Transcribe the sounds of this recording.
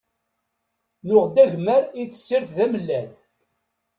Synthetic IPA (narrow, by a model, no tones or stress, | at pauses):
nʊʁd̪æʝməɾit͡sːə̥sːiɾθðæməlːæn